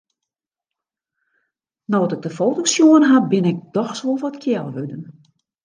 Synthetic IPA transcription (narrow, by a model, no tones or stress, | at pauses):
nɔtɪɡ̚dəfoːtosjuənɦabɪnɪk̚dɔxsʋolˠʋɔtkʰjɛlˠʋødən